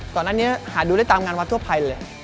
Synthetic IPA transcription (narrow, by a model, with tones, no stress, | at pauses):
kɔː˨˩naː˧˥˩ni˦˥əhaː˨˩˦ɗuː˧ɗaː˦˥˩jt̪aː˧mŋaː˧nwaː˧t̪ʰu˥˩ə˩pʰa˧jləː˧